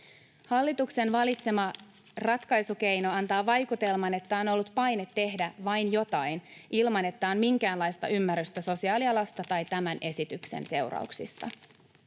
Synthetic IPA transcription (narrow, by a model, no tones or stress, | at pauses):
hɑlːit̪ukse̞nʋɑlit̪se̞mɑ | rɑt̪kɑjsuke̞jno̞ɑnt̪ɑːʋɑjkut̪e̞lmɑne̞t̪ːæo̞no̞lːut̪pɑjne̞t̪ːe̞ɦdæʋɑjnjo̞t̪ɑjnʔilmɑne̞t̪ːæonmiŋkæːnlɑjst̪ɑ̰ʔymːæryst̪ɑso̞siɑːliɑlɑst̪ɑt̪ɑjt̪æmænʔe̞sit̪yksḛnse̞wrɑ̰uksḭst̪ɑ̰